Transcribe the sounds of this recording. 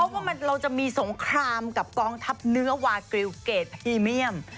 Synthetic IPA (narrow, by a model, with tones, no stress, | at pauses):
pʰɔ˦˥waː˥˩ma˧nɾa˧wt͡ɕa˨˩ʔmiː˧so˩˦ŋkʰɾaː˧mka˨˩p̚kɔː˧ŋt̪ʰa˦˥p̚nɯ˦˥ɐwaː˧kɾi˧wkeː˨˩t̪̚pʰiː˧mi˥˩əm